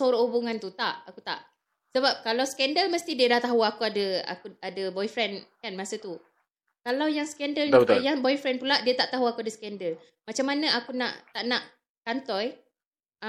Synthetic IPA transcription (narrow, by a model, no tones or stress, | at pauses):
soɾɔhubuŋant̪ut̪aʔakut̪a̰ʔ | səbap̚kalawskɛndəlməst̪idiədaht̪aɦuakuadəa̰kuadəbɔjfɾɛnkanmasət̪u | kalawjaŋskɛndəljaŋbɔjfɾɛnpulaʔdiat̪aʔt̪aɦuakuadəskɛndəl | mat͡ʃamːanəʔakuna̰ʔt̪aʔnaʔ | kant̪ɔj